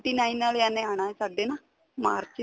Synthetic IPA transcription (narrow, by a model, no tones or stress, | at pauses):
ʈiːnãːĩnːaːlaːnẽaːɽ̃aːɛsaːɖeːnaː | maːɾt͡ʃ